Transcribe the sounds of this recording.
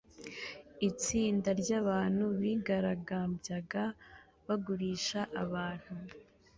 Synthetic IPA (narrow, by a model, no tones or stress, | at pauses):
it͡siːndaɾɟaːβaːn̥huβiɡaɾaɡaːmbjaɡa | βaɡuɾiːʃaʔaβaːn̥hu